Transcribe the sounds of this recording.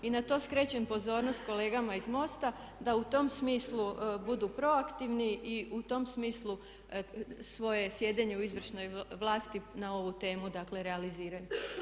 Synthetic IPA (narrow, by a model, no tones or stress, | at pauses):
inat̪o̞ːskɾe̞t͡ɕempo̞zo̞ːɾnost̪̚ko̞le̞ːɡamaizmo̞st̪a | d̪aut̪o̞msmiːslˠubud̪upɾo̞akt̪iʋniʔiut̪o̞msmiːslˠu | sʋo̞je̞sje̞d̪eɲe̞uizʋr̩ʃno̞jʋlˠaːst̪inao̞ʋut̪e̞ːmud̪akle̞ɾealiziːɾaju